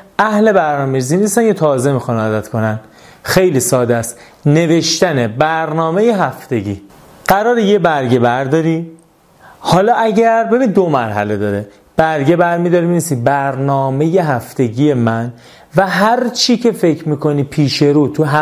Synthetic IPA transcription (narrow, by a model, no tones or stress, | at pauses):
æhle̞bæɾnɒːmeɾizinist̪æncet̪ʰɒːze̞mixɒnɒːd̪æt̪kʰo̞næn | xe̞jliːsɒːd̪æst̪ | ne̞ve̞ʃt̪æne̞bæɾnɒːme̞jeɦæft̪e̞ɟiː | ɢ̥æɾɒːɾejebæɾɟe̞bæɾd̪ɒːɾi | hɒːlɒːʔæɟæɾbe̞binid̪omæɾɦæ̰le̞d̪ɒːɾe | b̥æɾɟe̞bæɾmiːd̪ɒːɾiminisibæɾnɒːme̞je̞ɦæft̪e̞ɟiːje̞mæn | væɦæɾt͡ʃʰiːcʰe̞fecʰmiːkʰo̞niːpʰiːʃe̞ɾuːt̪ʰuɦæ